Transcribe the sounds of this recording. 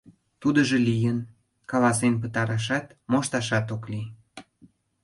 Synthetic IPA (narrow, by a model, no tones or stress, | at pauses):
t̪ud̪əʒelijən | kɑlɑsenpət̪ɑɾɑʃ̬ɑt̪moʃt̪ɑʃɑt̪okli